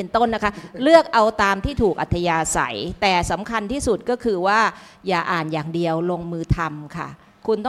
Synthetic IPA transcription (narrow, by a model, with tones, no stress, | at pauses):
e˧nt̪o˥˩nːa˦˥kʰa˦˥lɯ˥˩ək̚ʔa˧wt̪aː˧mt̪ʰiː˥˩t̪ʰuː˨˩k̚ʔa̰˨˩t̪ʰːa˧jaː˧sa̰˩˦jt̪ɛː˨˩sa˩˦mkʰa˧nt̪ʰiː˥˩su˨˩t̪̚kɔː˥˩kʰɯː˧waː˥˩ | jaː˨˩ʔaː˨˩njaː˨˩ŋdi˧əwlo˧ŋmɯː˧t̪ʰa˧mkʰa̰˥˩ | kʰu˧nt̪ɔ˥